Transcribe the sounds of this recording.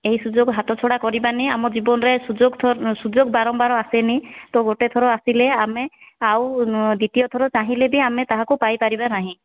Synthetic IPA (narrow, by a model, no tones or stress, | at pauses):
ejsuzɔɡɦatɔt͡ʃʰɔɽakɔɹibaniamɔzibɔnɹɛsuzɔɡt̪ʰɔsuzɔɡ̚baɹɔmbaɹɔasɛnit̪ɔɡotɛt̪ʰɔɹɔasilɛamɛawdit̪ijɔt̪ʰɔɹɔt͡ʃaɦĩlɛbiamɛt̪aɦãkʊpajpaɹibanaɦĩ